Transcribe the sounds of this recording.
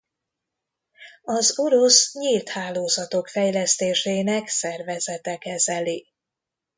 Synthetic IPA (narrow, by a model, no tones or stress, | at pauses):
ɒzoɾosɲilt̪haːloːzɒt̪o̞kfɛjlɛst̪eːʃeːnɛksɛrvɛzɛt̪ɛkɛzɛli